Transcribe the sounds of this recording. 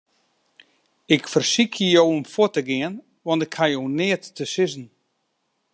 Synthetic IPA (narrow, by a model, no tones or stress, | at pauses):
ɪkfərsikʰjəjowɔmfʊətəɡɪən | ʋɔntɪkhajownɪətːəsɪzn̩